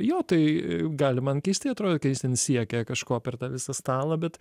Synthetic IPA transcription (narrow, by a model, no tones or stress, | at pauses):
joːt̪ɐɪɡɑːlʲɪmɐnkʲɛɪsʲt̪ʲɪɐt̪ɾoːd̪ʲotkɐt̪jɪst̪ʲɛnsʲiɛkʲɛkɐʃkoːpʲɛrt̪ɑːʋʲɪsɐst̪ɑːlˠɐbʲɛt̪